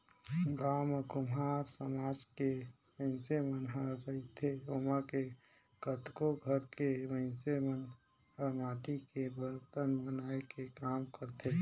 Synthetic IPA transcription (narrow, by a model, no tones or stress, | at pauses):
ɡaːməkʊmɦaːɾsəmad͡ʒke | mə̃ɪnsemənɦaɾəit̪ʰeomake | kət̪koɡʱəɾkeməɪnsemən | əmaːʈikebəɾt̪ənbənaekekaːmkəɾt̪ʰe